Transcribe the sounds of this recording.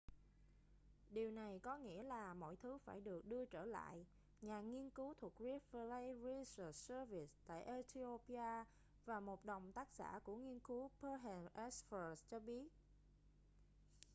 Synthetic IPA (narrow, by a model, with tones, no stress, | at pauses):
ɗi˨˩əwna˨˩jkɔ˨˦ŋḭ˧˥əlaː˨˩mɔ̰˧˨jt̪ʰɨ˨˦faː˧˩jɗɨ˨˩ək̚ɗɨ˧ət͡ɕəː˧˩la̰ː˧˨j | ɲaː˨˩ŋi˧ənkɨ˨˦wt̪ʰu˨˩k̚zi˨˦˥fə˧le˧jɹi˧sə˨˩səː˧vi˨˩st̪a̰ː˧˨jʔe˧˦t̪ʰi˧o˧pi˧aː˧ | vaː˨˩mo˨˩t̚ɗə˨˩wŋ͡mt̪aː˦˥k̚sa̰ː˧˩ku˧˩əŋi˧ənkɨ˨˦pəː˧ɦɛ˨˩nʔɛ˦˥sfə˨˩st͡ɕɔ˧ɓi˦˥ət̚